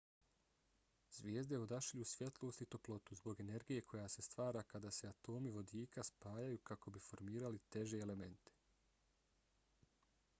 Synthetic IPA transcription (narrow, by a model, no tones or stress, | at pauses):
z̥ʋjeːzd̪eod̪aʃiʎusʋje̞t̪lˠo̞ːst̪it̪o̞plˠo̞t̪uzbo̞ɡe̞ne̞ɾɡije̞kʰo̞jase̞st̪ʋaːɾaːkad̪ase̞at̪o̞ːmiʋo̞d̪iːkaspaːjajuːkako̞bifo̞ɾmiːɾalit̪e̞ʒe̞ːle̞me̞nt̪e̥